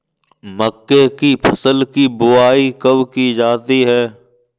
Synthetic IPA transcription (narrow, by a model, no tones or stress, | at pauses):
məkːekipʰɐsəlkibʊaːikɐʋkid͡ʒaːt̪iɦɛː